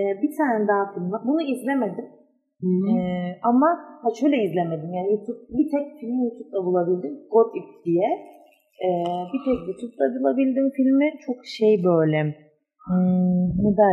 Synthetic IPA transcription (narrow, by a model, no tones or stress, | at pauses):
ɛːbit̪ʰaːnɛd̪aɦafilʲmabunuizlʲe̞med̪im | ɛːamahaʃøjlʲɛizlʲeme̞d̪imjaːnijut̪ʰup̚bit̪ʰɛc̚filʲmijut̪ʰup̚lˠabulˠabilʲd̪imɡot̪ip̚d̪ijɛ | ɛːbit̪ʰɛcjut̪ʰup̚lˠabulˠabilʲd̪imfilʲmit͡ʃʰo̞kʃejbøjlʲɛ | nɛd̪a